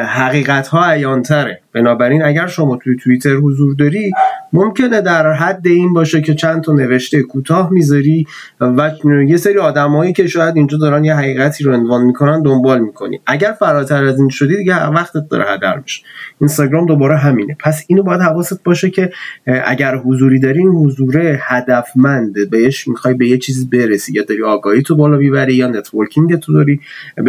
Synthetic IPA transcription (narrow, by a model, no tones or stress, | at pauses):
ɦæɣiːɣæt̪ʰhɒːæjɒːnt̪ʰæɾeb̥e̞nɒːbæɾiːnæɟæɾʃo̞mɒːt̪ʰujet̪ʰuit̪ʰe̞ɾhozuːɾd̪ɒːɾimomcʰene̞d̪æɾɦæd̪ːe̞iːnbɒːʃecʰe̞t͡ʃʰænt̪ʰɒne̞ve̞ʃt̪ekʰuːt̪ʰɒːhmiːzɒɾiː | væje̞seɾiːɒːd̪æmɒːjiːcʰe̞ʃɒːjæd̪ind͡ʒɒːd̪ɒːɾænjeɦæɣiːɣæt̪ʰiːɾoe̞nvɒːnmikʰo̞nænd̪o̞mbɒːlmiːkʰo̞nḭʔæɟæɾfæɾɒːt̪ʰæɾæziːnʃo̞d̪iːd̪iɟeævæχt̪et̪̚d̪ɒ̰ɾḛhæ̰d̪æ̰ɾbiʃe̥inst̪ɒɡɾɒːmd̪o̞bɒːɾeɦæmiːnʔe̞pʰæsiːnobɒːjæd̪hævɒːset̪̚bɒːʃecʰe̞ʔæ̰ɟæɾɦozuːɾiːd̪ɒːɾiːnhozuːɾe̞hæd̪æfmænd̪beeʃmixɒːjbe̞jet͡ʃʰiːziːbe̞ɾesijɒd̪ɒɾiːɒːɡɒːhiːt̪ʰobɒːlɒbiβæɾijɒːne̞t̪ʰvoɾcʰiŋɟet̪ʰod̪ɒɾi